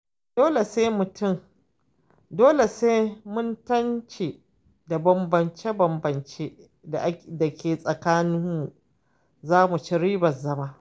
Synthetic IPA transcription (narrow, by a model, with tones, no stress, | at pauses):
d̥oː˦le˨se˦mʊ˨tʊ˦˨m | doː˦le˨seː˦mʊ˦ntɐ˦nt͡ʃeː˨ | da˨bɐ˨mbɐ˨nt͡ʃe˦bɐ˨mbɐ˨nt͡ʃeː˦ | da̰˨ʔda˨kʲʰeː˨sʼɐ˨kaː˦nɪ˦mːu˨ | zaː˦mu˨t͡ʃi˦ɾiː˦bɐ˨zɐ˦maː˦ʔ